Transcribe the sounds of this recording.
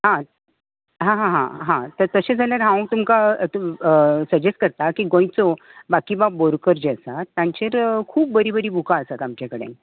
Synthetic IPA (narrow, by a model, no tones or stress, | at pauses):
ɦã | ɦãɦãɦãɦãt̪əɾt̪əɕed͡zʱaljaɾɦãw̃t̪umka | səd͡ʑesʈ̚kəɾt̪akiːɡõj̃t͡sobakiːbaboɾkəɾd͡ʑeəsat̪ːjãɲt͡ɕeɾkʰuːp̚bəɾibəɾiːbʱukaəsat̪amt͡ɕjakəɽḛn